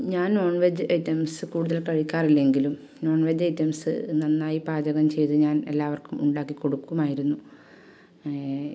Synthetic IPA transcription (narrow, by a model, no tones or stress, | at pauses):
ɲaːnno̞ːɳʋɐd͡ʑɨejtːɐmsɨkuːɽuðɐlkɐɻikʲːaːrilːe̞ŋɡilum | no̞ːɳʋɐd͡ʑɐjtːɐmsɨ̰nɐnːaːjipaːd͡ʑɐɣɐmt͡ɕe̞jt̪ɨɲaːne̞̰lːaːʋɐrkumuɳɖaːkːikoɽukːumaːjiɾunːu